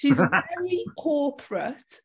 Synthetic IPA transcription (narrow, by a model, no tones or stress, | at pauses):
ʃizɛɹikʰɔːˑpʰɹət